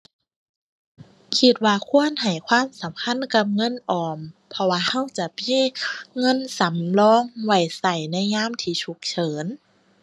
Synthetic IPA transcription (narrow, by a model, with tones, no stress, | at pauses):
kʰi˧t̪̚waː˧kʰu˧˥˨ənha˨˩jkʰwaː˧˥˨msa˨˦mkʰa˧˥˨nka˧˩p̚ŋɤ˧˥˨nʔɔː˨˩mpʰɔ˧waː˧ha˧˥˨wt͡ɕa˧˩piː˧˥˨ŋɤ˧˥˨nsa˨˦mlɔː˧˥˨ŋwa˧˩jsa˧˩jna˧˥˨jŋaː˧˥˨mt̪ʰiː˧˩t͡ɕʰu˧˦k̚t͡ɕʰɤː˩˦n